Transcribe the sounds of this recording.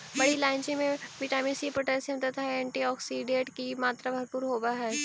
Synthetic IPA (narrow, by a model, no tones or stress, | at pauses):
bɐɽilãːɪnt͡ʃimẽʋɪʈaːmisipɾoʈɛlsə̃mt̪ɐt̪ʰaɛ̃ɳʈiɔːksiɖẽːʈkimaːt̪ɾabʱɐɾpuːɾɦoːbaɦɛː